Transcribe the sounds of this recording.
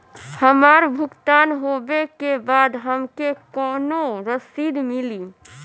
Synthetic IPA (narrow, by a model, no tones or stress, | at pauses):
həmaːɾbʱʊkt̪aːnɦobekebaːd̪ɦəmkekɔːnoɾəsiːd̪mɪli